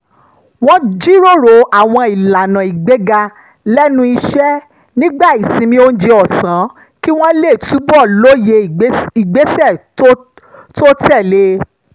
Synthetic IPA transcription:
w̃ɔ̃˧d͡ʒi˦ɾo˦˨ɾo˨a˨w̃ɔ̃˧i˨la˨nã˨i˨ɡ͡be˨˦ɡa˧ | lɛ˦nũ˦i˧ʃɛ˦ | nĩ˦ɡ͡ba˦˨i˨sĩ˧mĩ˧o˧n̩˦d͡ʒe˧ɔ˨sã˨˦ | ki˦w̃ɔ̃˦le˦˨tu˨˦bɔ˦˨lo˦je˧˨˦i˨ɡ͡be˨˦sɛ˦˨˦ | to˦tɛ˦˨le˧˦

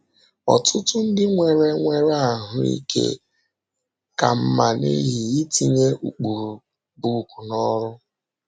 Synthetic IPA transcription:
ɔ̰˨tʰʊ˦tʊ˦n̩˦dɪ˦ŋʷe˨ɾe˦ŋʷe˨ɾa˦˨ɦʊ˦ḭ˦kʰḛ˦ | ka˨m̩˦ma˨nḭ˦ɦi˨i˦ti˦ɲe˦ʔu˨k͡pu˨ɾu˨ | bu˨ku˨nɔ˦ɾʊ˦

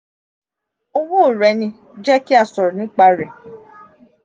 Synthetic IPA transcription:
o˧wũ˦o˨ɾɛ˨˧˦nĩ˧ | d͡ʒɛ˦ki˦a˦˨sɔ˨ɾɔ˨nĩ˨˦k͡pa˧ɾɛ˨

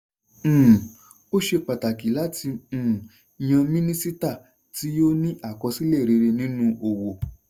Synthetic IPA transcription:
o˦ʃe˧k͡pa˨ta˨ki˨˦la˦tĩ˧˨ | j̃ã˧mĩ˦nĩ˦si˦ta˦˨ | ti˨˦o˦nĩ˦ʔa˦˨kɔ˧si˦le˦˨ɾe˧ɾe˧nĩ˦nũ˦ʔo˨wo˨

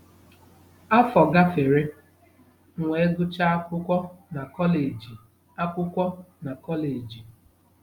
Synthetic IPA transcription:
a˦fɔ˨ɡa˦fe˨ɾe˦ | ŋʷe˨e˦ɡʊ˦t͡ʃa˦kʷʊ˦kʷɔ˦na˨kɔ˦le˨d͡ʒi˨ | a˦kʷʊ˦kʷɔ˦na˨kɔ˦le˨d͡ʒi˨

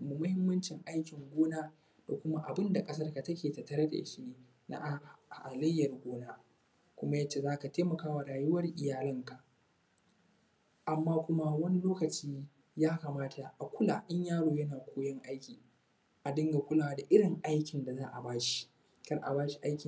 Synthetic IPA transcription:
mu˨mʊ˦hɪ˦mːɐ˦nt͡ʃɪ˨ŋʔa˦jkʲɪ˨ŋɡʷoː˦naː˦ | d̥a˨kʷʊ˦ma˦ʔa˨bɪ˦nda˨kʼɐ˦s̬ɐ˦rka˨tɐ˦kʲeː˨tɐ˨tɐ˦ɾɐ˦da̰˨ʔɪ˦ʃɪ˦neː˦˨ | na̰˦ʔʔa˨lɐ˦jːɐ˨rɡʷoː˦naː˦ | kʷʊ˦ma˦jɐ˦t͡ʃːe˨zaː˦ka˨teː˦mɐ˨kaː˦wa˨ɾaː˨jʊ˦wɐ˦rʔɪ˨jaː˨lɐ˦ŋka˨ʔ | ʔa˨mːaː˦kʷʊ˦ma˦wɐ˦ni˦loː˦kɐ˨t͡ʃiː˦ | jaː˦ka˨maː˦tʰa˨ʔa˨kʷʊ˦laː˨ʔɪ˦ɲjaː˦ɽoː˨jɐ˦naː˨kʷoː˦jɐ˦ŋʔa˦jkʲiː˨ | ʔa˨dɪ˦ŋɡa˨kʷʊ˦laː˨wda˨ʔɪ˦ɽɪ˨ŋʔa˦jkʲɪ˨nda˨zaː˦ʔa˨baː˦ʃi̥˦ | kɐ˦rʔa̰˨baː˦ʃi˨ʔa˦jkʲɪ˨

